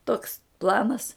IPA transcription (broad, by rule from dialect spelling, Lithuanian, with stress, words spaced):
toːks ˈplˠɑːnɐs